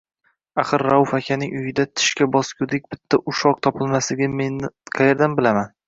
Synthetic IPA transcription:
aχɨɾːawfakʲʰanɪŋʊjɪd̪at̪ʰɪ̥ʃkʲabɒskʲʰʊd̪ɪk̚ʲb̥ɪt̪ʰːaʔʊʃɒq̚t̪ʰɒpʰɪlˠmasɪɡʲɪmenɪqʰɑjeɾd̪anbɪlaman

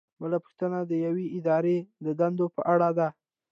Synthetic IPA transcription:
bəlapʊxt̪ənad̪əjaweɪd̪ɑɾed̪əd̪and̪opəʔaɽad̪a

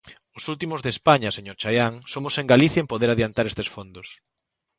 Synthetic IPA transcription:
ʊsult̪imʊzðespaɲɐseɲoɾt͡ʃajaŋsomʊseŋɡaliθjaempoðeɾaðjant̪aɾest̪esfond̪os

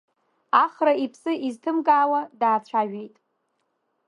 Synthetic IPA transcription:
aχraipʰsɨʔiztʰɨmɡʼaːwadaːt͡ɕʷʰaʒᶣejtʼ

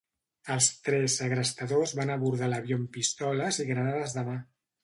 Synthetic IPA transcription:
əlˠst̪ɾɛzəɣɾəst̪əðozβanəβuɾð̞aləβjompist̪ɔləziɣɾənaðəzðəma

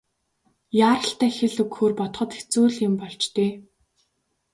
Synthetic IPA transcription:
jaːɾə̆ɬt̪æːxĕɮɵkxoːrpɔt̪χɞ̆t̪e̥t͡suːɮɪmpɔɮt͡ɕt̪eː

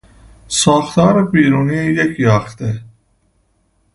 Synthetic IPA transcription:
sɑːxt̪ɑːɾebiːɾuːniejɛkʰjɑːxt̪ɛ

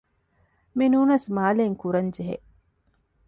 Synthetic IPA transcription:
minuːnɐsmaːleŋkuɾɐɲd͡ʒeɦḛʔ

